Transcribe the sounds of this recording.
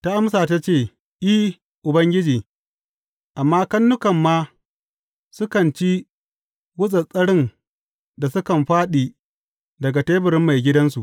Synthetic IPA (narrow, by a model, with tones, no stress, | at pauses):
ta˦ʔa˦msaː˨ta˦t͡ʃeː˦˨ | ʔi˦ | ʔʊ˨bɐ˦ŋɡʲɪ˦d͡ʒiː˨ | ʔa˨mːaː˦kɐ˦nːʊ˦kɐ˨mːaː˦ | sʊ˦kɐ˨nt͡ʃi˦ | wʊ˦sʼɐ˨sʼɐ˦ɽɪ˦n | da˨sʊ˦kɐ˨mɸaː˦ɗiː˨ | dɐ˨ɡa˨teː˦bɪ˨ɾɪ˦mːa˨jɡʲɪ˦dɐ˦nsu˨ʔ